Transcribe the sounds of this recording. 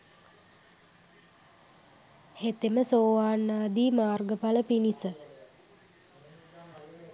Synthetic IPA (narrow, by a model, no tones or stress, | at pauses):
het̪eməsoːʋaːnːaːd̪iːmaːrɡəpaləpinisə